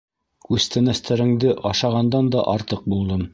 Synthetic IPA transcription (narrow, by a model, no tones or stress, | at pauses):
ʉzst̪ænæst̪ʰæɾɘ̆ŋd̪ɘʔɑʃɑʁɑnd̪ɑnd̪ɑʔɑɾt̪ɤq̚bulˠd̪ɤm